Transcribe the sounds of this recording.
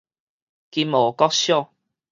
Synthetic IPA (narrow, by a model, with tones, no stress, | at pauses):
ki˧moː˨˩kɔ˦˥k̚ɕjɔ˥˨